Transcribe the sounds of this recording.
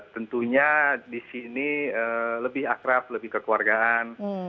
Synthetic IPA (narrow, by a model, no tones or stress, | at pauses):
t̪ənt̪uɲadisiniələbɪɦakɾap̚ləbɪhkəkuarɡaʔan